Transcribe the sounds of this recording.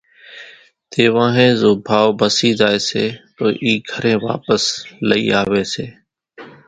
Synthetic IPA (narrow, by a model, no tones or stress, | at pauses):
t̪eːʋãːɦẽːzoːbʱaːʋbəsiːzaːeːsḛːt̪oːʔiːɡʱəɾẽːʋa̰ːpəsləḭːaːʋeːseː